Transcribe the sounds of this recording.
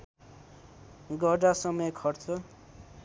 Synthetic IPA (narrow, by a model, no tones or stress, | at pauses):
ɡʌɖasʌmʌjkʰʌrt͡sʰʌ